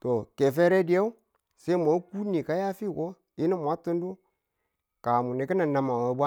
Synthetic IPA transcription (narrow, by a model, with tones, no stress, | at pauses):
to˨ke˨fe˦ɾe˦di˦ja˦u˦ | se˦ma˨˦ku˦ni˨ka˦ja˦fi˦˨ko˦ | i˦ni˦mʷa˦tu˦n˦du˦ | ka˨mu˨ni˨ki˦na˨na˨ma˨a˨˦ba˦